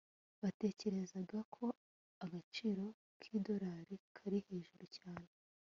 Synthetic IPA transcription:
βate̞ːce̞ɾe̞zaɡakʰo̞ | aɡat͡ʃiːɾo̞ | kʰiːdo̞ɾaːɾikʰaɾiheːʒuɾucaːne

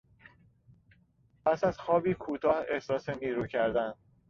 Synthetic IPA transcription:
pʰæsæzxɒːbiːkʰuːt̪ʰɒːhe̞hsɒːseniːɾuːcʰæɾd̪æn

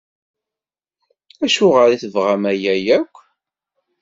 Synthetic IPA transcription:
æʃʊʁəɾiθəvʁæmæjæjækʷː

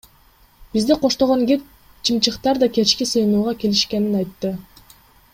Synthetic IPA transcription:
bizd̪iqʰo̞ʃt̪oʁoŋɡiɾ | t͡ʃʰimt͡ʃɯqt̪ɑɾd̪ɑke̞t͡ʃkʲisɯjnuːʁɑke̞liʃke̞ninɑjt̪ːɯ

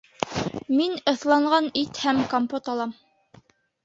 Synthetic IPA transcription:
minɤ̆θlˠɑɴɢɑnit̪hæmkompot̪ɑlˠɑm

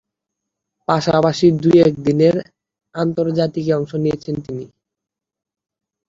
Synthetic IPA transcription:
paʃapaʃid̪ujɛk̚d̪ineɾ | ant̪oɾd͡ʑat̪ikeɔŋʃonijet͡ɕʰent̪ini

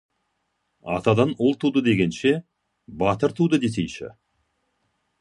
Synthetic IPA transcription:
ɑ̰t̪ɑd̪ɑnʊlˠt̪ʰud̪əd̪e̞ɡʲe̞nʃe̞ | bɑt̪əɾt̪ʰud̪əd̪e̞s̬ejʃɪ̰

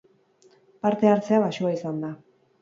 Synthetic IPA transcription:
paɾt̪e̞aɾt͡se̞aβaʃuaisand̪a

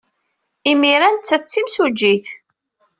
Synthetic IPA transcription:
imiɾænt͡sːæθt͡sːimsud͡ʒːiθ

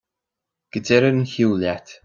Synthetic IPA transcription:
ɡ̥ədɛɾəɾənçuːljat̪

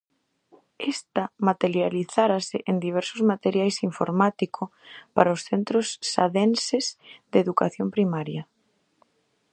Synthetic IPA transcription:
est̪ɐmat̪eɾjaliθaɾasɪʔend̪iβ̞ɛɾsʊzmat̪eɾjajsiɱfo̰ɾmat̪ikopa̰ɾaosθent̪ɾosːa̰ðensezd̪eðukaθjompɾimaɾjɐ

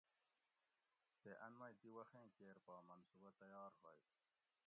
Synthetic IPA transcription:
t̪eʔɐnmɐjt̪iwɐxẽːkeːɾpaːmɐnsubat̪ɐjɑːɾɦoj

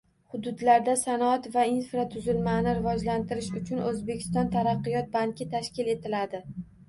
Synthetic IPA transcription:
hʊd̪ʊd̪laɾd̪asanɒat̪vainfɾat̪ʰʊzɪlmanɪɾɪvɒd͡ʒlant̪ɪɾɪʃʊt͡ʃʰʊnʔɵzbe̞kʲʰɪ̥st̪ɒnt̪ʰaɾɑqːɨjɒt̪̚baŋkʲɪt̪ʰaʃkʲɪle̞t̪ʰɪlad̪ɪ

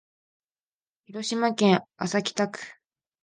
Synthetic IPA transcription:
çiɾo̞ɕimakẽɰasakʲi̥t̪akɯ̟̥

